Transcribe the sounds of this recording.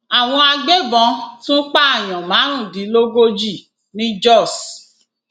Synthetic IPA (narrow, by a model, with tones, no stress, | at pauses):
a˨w̃ɔ̃˧a˧ɡ͡be˦bɔ̃˧˦tũ˦k͡pa˦a˦˨j̃ɔ̃˨mãː˨˦ɾ̃ũ˦˨di˨˦lo˦ɡo˦d͡ʒi˦˨ | nĩ˦d͡ʒɔ˦˨s